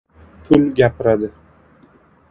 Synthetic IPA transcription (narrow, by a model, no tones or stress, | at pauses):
pʰʊlɡʲapɪɾad̪ɪ